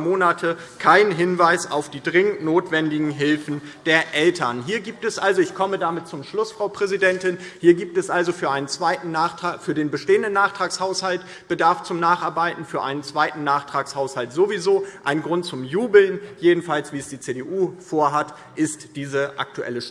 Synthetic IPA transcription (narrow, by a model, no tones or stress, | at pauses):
moːnatʰəkʰaɪnɦɪnvaɪsa̰ʊfd̥iːdʁɪŋənnoːtv̥ɛndɪɡŋ̩ɦɪlfn̩ | d̥eːɐʔɛltʰɐnɦiːɐɡiːp̚tɛsʔalzoɪçkʰɔmədamɪt̚t͡sʊmʃlʊsfʁ̥aʊpʁ̥ɛzidɛntɪnhiːɐɡiːp̚tɛsʔalzofyːɐʔaɪnənt͡sv̥aɪtn̩naːχtaːfyːɐdeːnbəʃteːəndənːaːχtʁ̥aːkshaʊshalt | b̥ədaɐft͡sʊmnaːχʔaɐbaɪtn̩fyːɐʔaɪnənt͡sv̥aɪtn̩naːχtʁ̥aːkshaʊshaltz̥ovizoːʔaɪnɡʁʊntt͡sʊmjuːbl̩njeːdn̩falsv̥iːɛsd̥iːt͡seːdeːʔuːfoːɐɦat | ʔɪstd̥iːzəʔa̰k̚tuʔɛ̰ləʃ